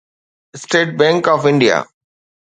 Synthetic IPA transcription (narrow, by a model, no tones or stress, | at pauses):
sʈeːʈ̚bɛ̃ŋkɔːfɪ̃ɳɖija̰